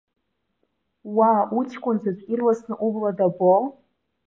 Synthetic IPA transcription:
wautʰkʷʼʊnzat͡ʃʷʼʲirlasnɨʔubladabol

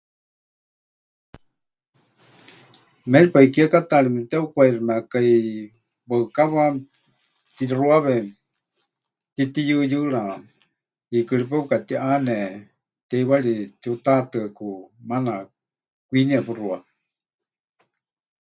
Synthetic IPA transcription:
mɛlipaikiakat̪aɺimɛt̪ɛukʷairimakai | bəɨkaβa | t̪iruaβɛ | t̪it̪ijɨjɨɺa | ikɨɺip̬ɛkat̪iʔanɛ | t̪ɛiwaɺit̪iut̪at̪ɨakumana | kʷiniapɨrua

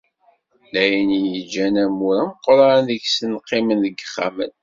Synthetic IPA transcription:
læjənijəd͡ʒːænæmuɾæqːoɾˤɑɾɑnðəçsənqːɪmənðəɡəχːa̰mən

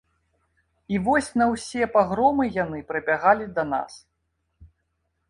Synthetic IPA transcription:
ivɔsʲnɐwsʲɛpaɣɾɔmɨjanɨpɾɨbʲaɣalʲid̪ɐna̰s

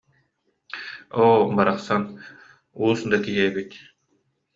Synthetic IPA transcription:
oːbaɾaχsan | uːsd̪akiɦɛːbit̪

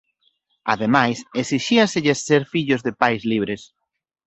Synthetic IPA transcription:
a̰ðemajseksiʃiasɪʎesːeɾfiʎʊzðepajzliβ̞ɾes

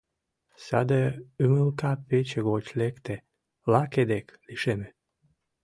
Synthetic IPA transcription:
sad̪əøməlkapet͡ɕeɣot͡ɕlekt̪e | laked̪ekliʃeme

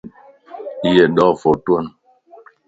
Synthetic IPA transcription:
jɛɗɔfotwɔn

